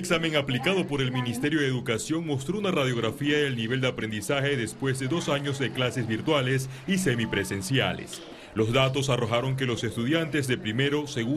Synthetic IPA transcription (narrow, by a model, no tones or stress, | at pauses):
eksame̞ŋaplikaðo̞po̞ɾelminist̪e̞ɾjo̞ðeðukasjo̞ŋmo̞st̪ɾo̞unarað̞jo̞ɣ̞ɾafiaenelniβ̞e̞ld̪eapɾe̞nd̪isaxe̞ðe̞spwe̞zðe̞ðo̞saɲo̞zðeklase̞zβiɾt̪walesisemipɾese̞nsja̰lḛs | lo̞zðat̪̬o̞saroxaɾo̞ŋk̬e̞lo̞se̞st̪uðjant̪e̞zðe̞pɾime̞ɾo̞se̞ɣu